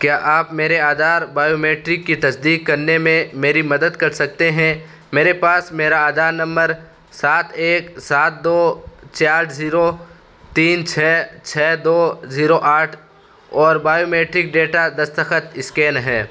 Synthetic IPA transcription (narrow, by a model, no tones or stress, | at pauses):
kjaːʔaːpmeːɾeaːd̪aːɾbaːjoːmeːʈɾɪkːit̪ɐsd̪iːkːɐɾnemẽmeːɾimɐd̪əd̪kɐɾsɐk̚t̪eɦɛ̃ | meːɾepaːsmeːɾaaːd̪aːɾnɐ̃mbəɾ | saːt̪ʰeːksaːt̪̚d̪oːt͡ʃaːɾziːɾo | t̪iːnt͡ʃʰɛːt͡ʃʰɛːd̪oːziːɾoʔaːʈʰ | ɔːɾbaːjoːmeːʈɾɪk̚ɖeːʈad̪ɐst̪əxət̪ɪskeːnɦɛː